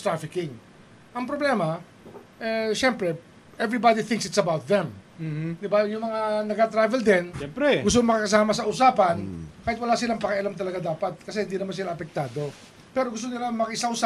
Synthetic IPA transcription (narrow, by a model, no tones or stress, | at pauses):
t̪ɾafɪkɪŋ | ʔɐŋpɾoblɛmɐ | ʔɛʃɛmpɾɛ | ʔɛvɹibad̪iθɪŋksɪt̪sɐbawt̪̚ðɛmd̪ɪbajʊŋmɐŋanɐɡat̪ɾavɛld̪ɛnɛpɾɛɡʊs̬t̪oŋmɐkakɐs̬aːmɐsɐʔʊsaːpɐnkaːhɪt̪wɐlaːsɪlaŋpɐkɐʔɐlamt̪ɐlɐɡad̪aːpɐt̪̚kɐsɛhɪnd̪inɐmans̬ɪlaɐpɛk̚t̪aːd̪o̞ | pɛɾoɡʊs̬t̪onɪlaŋmɐkɐʔɪsaʔʊsa